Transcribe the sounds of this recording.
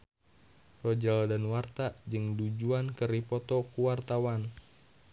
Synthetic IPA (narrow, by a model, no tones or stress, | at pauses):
rɔd͡ʒaldanwart̪ad͡ʒɨŋdud͡ʒuankəɾipɔt̪ɔkuwart̪awan